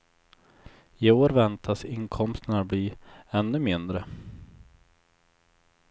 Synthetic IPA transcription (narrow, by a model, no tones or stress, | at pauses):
ɪoːɾvɛnt̪ʰasɪŋkʰɔmst̪ənabliːɛnːɵmɪnd̪ɾə